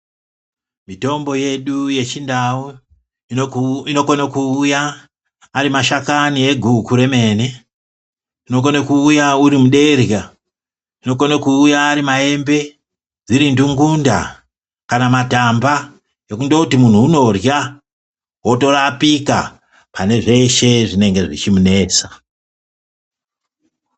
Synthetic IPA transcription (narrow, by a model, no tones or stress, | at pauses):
mito̞mbo̞je̞ɗuje̞t͡ʃindawu | ino̞konakujaː | ɾimaʃakanie̞ɡʱukuɾe̞me̞ːne̞ | ino̞konekuːjauɾimuɗe̞rja | ino̞konakuːjaːɾimae̞mbe̞ | d͡ziɾinduŋɡunda̰ | kanamatamba | je̞kundo̞kutimun̤uːno̞rja | wo̞to̞rapika̰ | pane̞ʐe̞ʃe̞ʐine̞ŋɡe̞ʐit͡ʃimune̞ːt͡sa